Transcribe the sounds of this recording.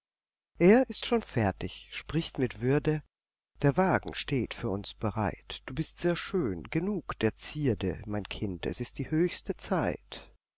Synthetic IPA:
ʔeːɐʔɪstʃoːnfɛɐtɪçʃpʁ̥ɪçtmɪtv̥ʏɐdə | d̥eːɐvaːɡŋ̩ʃteːtfyːɐʊnsb̥əʁa̰ɪtd̥uːbɪstz̥eːɐʃøːnɡ̥ənuːkd̥eːɐt͡siːɐdə̰maɪnkʰɪntɛ̰sɪst̚d̥iːhøːçstət͡saɪt

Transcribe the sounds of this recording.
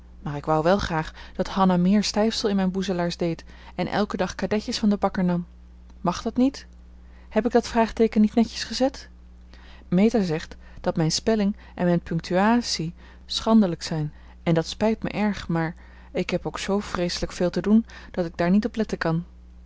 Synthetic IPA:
maːɹɪkʋɑwʋɛlˠχraːχd̥ɑthɑnamɪːɹstɛjfsəlˠɪnmɛjnbuzəlaːɹzdejt | ɛnʔɛ̰lˠkədɑχkadɛcəsfɑndəbɑkəɹnɑm | mɑχdɑtnit | hɛpɪɡ̚dɑtfraːχtejkənːitnɛcə̥sχəzɛt | mejtazɛχt | d̥ɑtmɛjnspɛlɪŋ | ʔɛ̰nmɛjnpɵŋk̚tʰyaːtsi | sχɑndələksɛjn | ɛndɑtspɛjtmə̰ʔɛɹχmaːɹ | ɪkɦɛpowksowv̥rejsələkfeːlˠtədund̥ɑtɪɡ̚daːɹnitɔplɛtəkɑn

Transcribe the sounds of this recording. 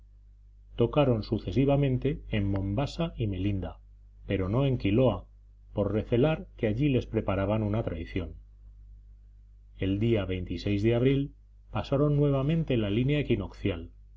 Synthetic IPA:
t̪o̞kaɾo̞nsuθe̞siβamẽ̞nt̪e̞ːmːõ̞mbasaime̞lind̪a | pe̞ɾo̞no̞e̞ŋkilo̞a | po̞ɾre̞θe̞laɾkeaʎile̞spɾe̞paɾaβanũnat̪ɾajθjo̞n | e̞ld̪iaβe̞jnt̪ise̞jzðeaβ̞ɾil | pasaɾo̞nːwe̞β̞amẽ̞nt̪e̞lalinjaekino̞kθjal

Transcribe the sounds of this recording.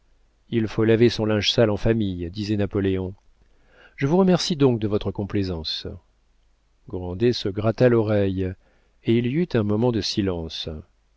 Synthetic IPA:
ilfolavesɔ̃lɛ̃ʒsalɑ̃famijd̪izɛnapɔleɔ̃ | ʒ̥əvuʁəmɛʁsid̪ɔ̃k̚d̪əvɔt̪χəkɔ̃plezɑ̃s | ɡʁɑ̃d̪esəɡʁat̪alɔʁɛj | eiliyt̪ɛ̃mɔmɑ̃d̪əsilɑ̃s

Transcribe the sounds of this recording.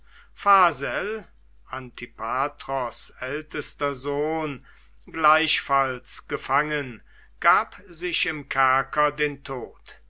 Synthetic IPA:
faːzɛl | ʔantʰipʰaːtʁɔsɛltəstɐzoːn | ɡlaɪʃfalsɡ̥əfaŋən | ɡ̥aːpzɪʃɪmkʰæɐkɐdeːntʰoːt

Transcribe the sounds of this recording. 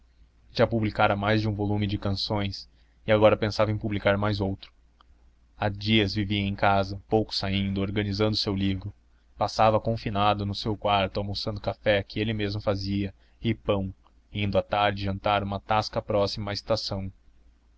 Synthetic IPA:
ʒapublikaɾɐmajzd͡ʒɪũvolumɪd͡ʒɪkɐ̃sõj̃s | ɪaɡɔɾɐpẽsavɐẽpublikaɾmajzowt̪ɾʊ̥ | ad͡ʒiɐzviviɐ̃ẽj̃kazɐpowkʊ̥saĩnd̪ʊoɾɡɐnizɐ̃nd̪ʊsewlivɾʊ | pasavɐkõfinad̪ʊnʊsewkwaɾt̪ʊalmosɐ̃nd̪ʊkafɛkɪelɪmezmʊfaziɐ | ɪpɐ̃w̃ | ĩnd̪ʊat̪aɾd͡ʒɪʒɐ̃nt̪aɾũmɐt̪askɐpɾɔsimɐːɪst̪asɐ̃w̃

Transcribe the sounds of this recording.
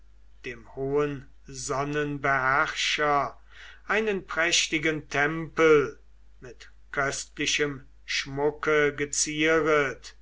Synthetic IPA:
d̥eːmhoːən | zɔnənbəhæʁʃɐ | ʔaɪnənpʁ̥ɛʃtɪɡəntʰɛmpəl | mɪt | kʰœstlɪʃəm | ʃmʊkəɡət͡siːʁət

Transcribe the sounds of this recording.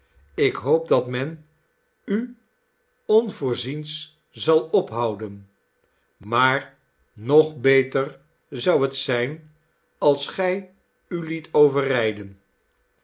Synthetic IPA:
ɪkɦowp̚dɑtmɛn | y | ɔnvʊːɹzins | zɑlˠɔpɦɑwdən | maːɹ | nɔχbejtər | zʌwɦətsɛjn | ɑlˠsχɛj | ylitʰowvərɛjdən

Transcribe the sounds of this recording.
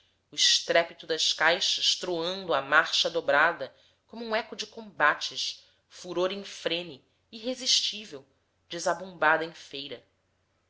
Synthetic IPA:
ʊɪʃt̪ɾɛpit̪ʊd̪ɐʃkajʃɐʃt̪ɾoɐ̃nd̪ʊɐmaɾʃɐd̪obɾad̪ɐ | kõmʊũɛkʊd͡ʒɪkõmbat͡ʃɪʃ | fuɾoɾĩŋfɾẽnɪ | iːɦeziʃt͡ʃivew | d͡ʒɪzabõmbad̪ɐẽfejɾɐ

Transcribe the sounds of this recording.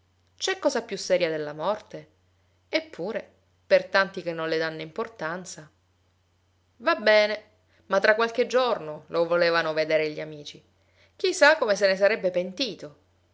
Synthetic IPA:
t͡ʃɛkːɔːzapjusːɛːɾjad̪elːamɔrt̪e | epːuːɾe | pert̪ant̪ik̟enːõnled̪anːoimport̪ant̪sa | vabːɛːne | mat̪ːɾakːwalked͡ʒornolʔovoleːvanoved̪eːɾeʎːiamiːt͡ʃi | k̟isakːomesenesaɾɛbːepent̪iːt̪o

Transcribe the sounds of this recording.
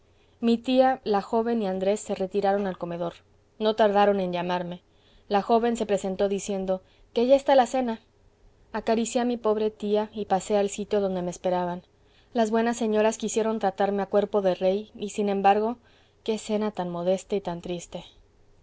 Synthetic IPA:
mit̪ialaxo̞βe̞niand̪ɾe̞sːe̞re̞t̪iɾaɾo̞nalko̞me̞ðo̞ɾ | no̞t̪aɾðaɾo̞nẽ̞nʝamaɾme̞ | laxo̞βe̞nse̞pɾe̞se̞nt̪o̞ðisje̞nd̪o̞ | keaʝaest̪alase̞naː | kaɾisjeamipo̞βɾe̞t̪iaipase̞alsit̪jo̞ðo̞nd̪e̞meːspe̞ɾaβan | lazβwe̞nasːe̞ɲo̞ɾaskisje̞ɾo̞nt̪ɾat̪aɾme̞akwe̞ɾpo̞ðe̞re̞jisinẽ̞mbaɾɣo̞ | ke̞se̞nat̪anmo̞ð̞e̞st̪ait̪ant̪ɾist̪e̞

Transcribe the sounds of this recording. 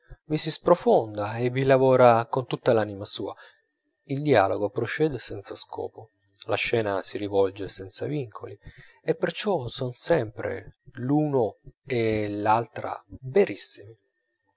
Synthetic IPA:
visispɾofond̪aevilavɔːɾakont̪ut̪ːalanimasuːa̰ | ild̪ia̰ːloɡopɾot͡ʃɛːd̪esɛnt̪saskʰɔ̰ːpo | laʃːɛːnasiɾivɔld͡ʒesɛnt̪saviŋkʰoli | epːert͡ʃɔsɔnsɛmpɾḛluːnoelalt̪ɾa̰beɾisːimi

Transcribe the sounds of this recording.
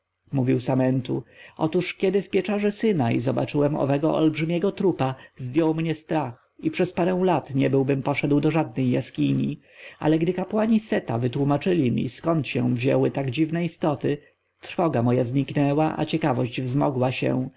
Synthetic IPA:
muvʲiwsamɛnt̪ṵɔt̪uʂkʲɛd̪ɘfpʲjɛt͡ʂaʐɛsɘnaḭzɔba̰t͡ʂɘwɛmɔ̰vɛɡɔʔɔ̰lbʐɘmʲjɛɡɔt̪ɾupazd̪jɔwmɲɛst̪ɾax | ipʂɛspaɾɛ̃w̃lat̪ɲɛbɘwbɘmpɔʂɛd̪wd̪ɔʐad̪̚nɛjːaskʲiɲi | ʔa̰lɛɡd̪ɘkapwaɲisɛt̪avɘt̪wumat͡ʂɘlʲimʲḭskɔnt̪ɕɛ̰̃vʑɛwɘt̪aɡd͡ʑivnɛist̪ɔt̪ɘ | t̪ɾfɔɡamɔjazɲiknɛwaʔa̰t͡ɕɛkavɔɕd͡ʑvzmɔɡwaɕɛ̰̃

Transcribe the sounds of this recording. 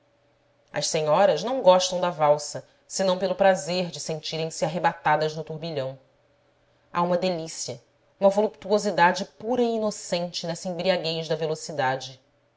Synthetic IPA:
ɐ̰ʃseɲɔɾɐʒnɐ̃w̃ɡɔʃt̪ɐ̃w̃d̪ɐvawsɐ | sɪnɐ̃w̃pelʊpɾazeɾd͡ʒɪsẽnt͡ʃiɾẽj̃siaɦebat̪ad̪ɐznʊt̪uɾbiʎɐ̃w̃ | a̰ũmɐd̪elisiɐ | ũmɐvolupt̪uozid̪ad͡ʒɪpuɾɐiiːnosẽnt͡ʃɪnɛsɐẽbɾiaɡejʒd̪ɐvelosid̪ad͡ʒɪ

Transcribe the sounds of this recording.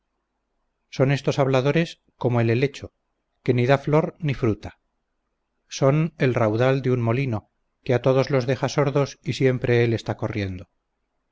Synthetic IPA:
so̞ne̞st̪o̞saβlaðo̞ɾe̞s | ko̞moe̞lele̞t͡ʃo̞ | ke̞niðaflo̞ɾnifɾut̪ḁ | so̞ne̞lrawðald̪eunmo̞lino̞ | keat̪o̞ð̞o̞zlo̞zðe̞χaso̞ɾðo̞sisje̞mpɾe̞ele̞st̪ako̞rje̞nd̪o

